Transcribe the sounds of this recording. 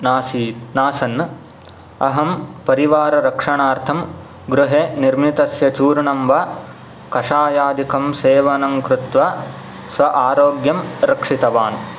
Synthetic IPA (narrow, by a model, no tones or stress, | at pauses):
naːsinaːsɐnː | ɐɦɐmpɐɾiʋaːɾɐɾɐkʂɐɳaːɾt̪ʰɐm | ɡɾuɦeːniɾmit̪ɐsjɐt͡ʃuːɾɐɳɐmʋɐ | kɐʂaːjaːd̪ʱikɐmseːʋɐnɐŋkɾut̪ʋɐ | sʋɐʔaːɾoːɡjɐmɾɐkʂit̪ɐʋaːn